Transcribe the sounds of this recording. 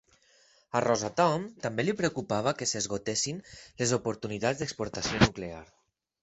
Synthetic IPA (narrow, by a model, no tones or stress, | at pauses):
arɔzat̪ɔmt̪ambelipɾeukupaβ̞əkesezɣot̪esinlezopoɾt̪unit̪azd̪əkspuɾt̪asionukleaɾ